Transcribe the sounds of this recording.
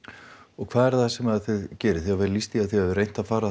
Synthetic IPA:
ɔkʰvaːðɛɾ̥θasɛmaðθɪðcɛːɾɪθiavɛːllist̪iaðθiɛvrejn̥t̪afaːɾa

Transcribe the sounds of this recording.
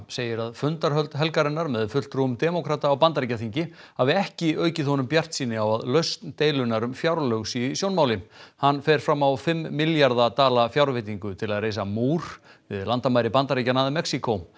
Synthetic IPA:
seːjɪɾaðfʏnt̪aɾɦœlt̪ɦɛlkaɾɪnːaɾmɛðfʏl̥t̪ɾuʏmt̪ɛmokʰɾat̪aːwpant̪aɾicaθiɲcɪhavɪɛhcɪœːɥcɪθhɔnʏmpjar̥t̪siːnɪawaðlœɥst̪nt̪eːjlʏnaɾʏmfjawɾlœɣsisjownmaːwlɪmhanːfɛɾ̥fɾamːawfɪmːiljaɾðat̪aːlafjawɾvɪt̪̬iŋkʏt̪ʰɪlaðreːjsamuːɾ̥ | vɪðlant̪amajɾɪpant̪aɾicanaːðɪmɛksikow

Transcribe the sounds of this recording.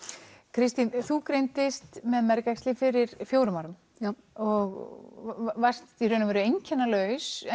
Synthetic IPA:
kʰɾɪst̪inθukɾejnt̪ɪst̪mɛðmɛɾkakst̪lɪfɪɾɪɾ̥fjoːwɾʏmaɾʏm | ɔɣ | var̥st̪iɾœːnʏmvɛːɾʏejɲcʰɛnːalœːɥsɛ

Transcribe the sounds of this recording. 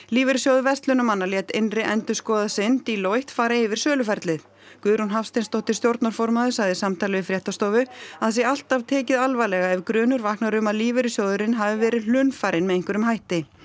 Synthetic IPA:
liːvɛɾɪsjowðʏvɛst̪lʏnʏmanːaljɛːt̪enrɪʔɛnt̪ʏ̥skɔːðasɪnt̪ilojht̪faːɾaɪvɪɾ̥sœːlʏfɛɾt̪lɪθ | kʏːðɾunɦafst̪ejnst̪owht̪ɪ̥st̪jowɾt̪naɾ̥fɔɾmaðʏsaɣðɪsamt̪ʰaːlɪvɪfɾjɛht̪ast̪owvʏaðas̬jɛɣal̥t̪avt̪ʰɛːcɪðalvajlɛɣaɛvkɾʏːnʏɾvaːhknaɾʏmaðliːvɛɾɪsjowðʏɾɪnɦavɪvɛːɾɪðl̥ʏnfaɾɪnmɛðejŋkʏɾʏmɦajht̪ɪ

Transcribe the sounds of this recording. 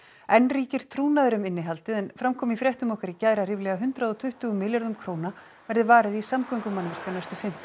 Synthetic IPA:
ɛnriːcɪɾ̥t̪ʰɾuːnaðʏɾʏmɪnːɪɦalt̪ɪðɛnfɾamkʰɔːmɪifɾjɛht̪ʏmɔhkaɾicaːjɾar̥ɪːvlɛɣaɦʏnt̪ɾaðɔt̪ʰʏht̪ʏɣʏmɪljaɾðʏmkʰɾoːwna | vɛɾðɪvaːɾɪðisamkʏjŋkʏmːanvɪr̥kanajst̪ʏ̥fɪm̥t̪

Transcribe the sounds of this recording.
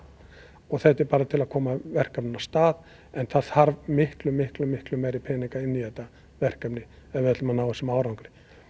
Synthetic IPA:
ɔɣθɛht̪ːɛɾpaːɾat̪ʰɪlaðkʰɔːmavɛr̥kœpnɪnast̪aːð | ɛnθaððaɾvmɪhklʏmːɪhklʏmːɪhklʏmːɛjɾipʰɛːniŋkaɪnːiðɛt̪ːa | vɛr̥kœpnɪ | ɛvɛt̪lʏmanaːwɛsɪmaːwɾawŋkɾɪ̥

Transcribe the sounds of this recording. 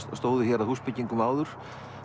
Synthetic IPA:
st̪owðʏçɛɾahuspɪciŋkʏmawðʏɾ̥

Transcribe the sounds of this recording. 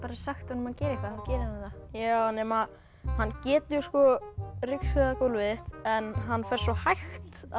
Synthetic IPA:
paːɾasaxt̪hanʏmaðcɛːɾɪkʰaðacɛːɾɪhanθajaːwnɛːma | hanːcɛːt̪juskɔrɪksʏðakʊlvɪɪht̪ɛnɦanːfɛɾ̥sɔhajxt̪a

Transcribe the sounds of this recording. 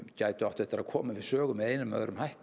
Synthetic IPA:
caːjt̪ʏaht̪ɛht̪ɪɾaðkʰɔːmɪvɪðsœːɣʏmɛðejnʏmːœ̰ːðɾʏmhajht̪

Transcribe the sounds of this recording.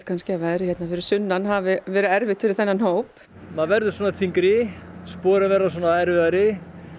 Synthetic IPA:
t̪kʰanscɪavɛðɾɪçɛt̪nafɪɾɪɾ̥sʏnːanɦavɪvɛːɾʏðɛɾvɪt̪fɪɾɪɾ̥θɛnːanhoːwp | maðvɛɾðʏsɔːnaθʰiŋkɾɪspɔːɾʏvɛːɾːasɔːnaɛɾvɪðaɾɪ

